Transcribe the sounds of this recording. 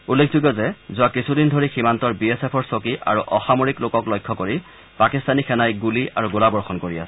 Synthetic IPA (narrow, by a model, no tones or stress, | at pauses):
ulːek̚ʰzuɡɔzɛzʊakisʰudindʱoɹiximantɔɹbiesepʰɔɹsokiʔa̰ɹuʔɔxamoɹiklokɔklɔjkʰːɔkoɹi | pakistʰanixʰɛnajɡuliaɹuɡolabɔɹxɔnkoɹia̰sɛ̥